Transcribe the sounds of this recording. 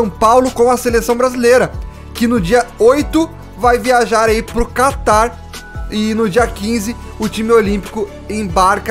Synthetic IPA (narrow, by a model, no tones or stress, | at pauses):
ɐ̃w̃pawlʊkõw̃ɐselesɐ̃w̃bɾazilejɾɐ | kɪnʊd͡ʒiɐojt̪ʊ | vajviaʒaɾaipɾʊkat̪aɾ | ɪnʊd͡ʒiɐkĩzɪ | ʊt͡ʃimɪolĩpi̥kʊ | ẽbaɾkɐ